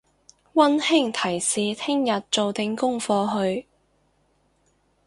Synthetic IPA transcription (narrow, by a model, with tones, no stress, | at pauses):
wɐ˥nhɪ˥ŋt̪ʰɐ˨˩jsiː˨t̪ʰɪ˥ŋjɐ˨t̚t͡so˨wt̪ɪ˨ŋkʊ˥ŋfɔː˧ɦɵ˧ɥ